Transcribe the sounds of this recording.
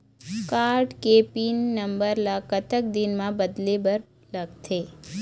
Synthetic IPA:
kaɾʈkepinːəmbəɾlakət̪ək̚d̪inmãbəd̪lebəɾ | ləɡt̪ʰe

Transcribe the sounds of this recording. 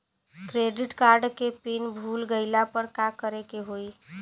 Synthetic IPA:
kɾeɖiʈkaɾɖkepinbʱulɡəɪlapəɾkakəɾekeɦoi

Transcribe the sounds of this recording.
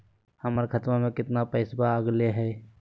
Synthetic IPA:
həməɾkʰət̪mamẽkɪt̪napəɪsbaəɡleɦɛː

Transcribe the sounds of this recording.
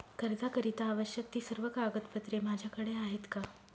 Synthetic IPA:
kəɾd̪akəɾit̪aːʋəɕjək̚t̪iːsəɾʋəkaɡət̪pət̪ɾem̤ad͡ʑʱjakəɽeaɦet̪ka

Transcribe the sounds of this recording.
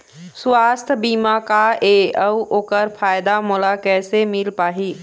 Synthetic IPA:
sʊwaːst̪ʰbiːmakaeɐuʔoːkəɾfʰaːɪd̪amolakɛːsemɪlpaːɦiː

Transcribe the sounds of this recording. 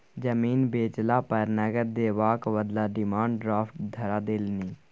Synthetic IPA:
d͡ʒəmiːnbeːt͡ʃlapəɾnəɡəɾd̪eːʋaːkʋəd̪laːɖɪmãːɳɖɖɾaːfʈd̪ʱəɾaːd̪eːlniː

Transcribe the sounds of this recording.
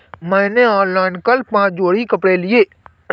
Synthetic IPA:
mɛ̃ːneɔ̃ːnlaːɪnkəlpãːt͡ʃd͡ʒoːɽikəpɽelieː

